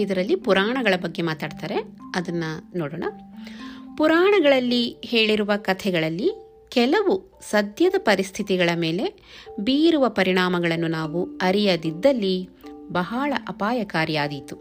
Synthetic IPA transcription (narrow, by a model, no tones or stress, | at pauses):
id̪ɐɾɐlːipuɾaːɳɐɡɐɭɐbɐɡːe̞maːt̪aːɖt̪aːɾe̞ɐd̪ɐnːɐnoːɽoːɳɐ̰ | puɾaːɳɐɡɐɭɐlːiheːɭiɾuʋɐkɐt̪ʰɛɡɐɭɐlːi | kɛlɐʋu | sɐd̪ʱjɐd̪ɐpɐɾist̪ʰit̪iɡɐɭɐme̞ːle̞ | biːjiɾuʋɐpɐɾiɳaːmɐɡɐɭɐnːunaːʋuɐɾijɐd̪id̪ːɐlːibɐɦaːɭɐʔɐpaːjɐkaːɾjaːd̪it̪u